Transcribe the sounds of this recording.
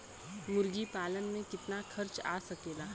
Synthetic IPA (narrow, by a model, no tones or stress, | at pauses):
mʊɾɡipaːlənmẽkɪt̪naxʰɐɾt͡ʃa̰ːsɐkeːlaː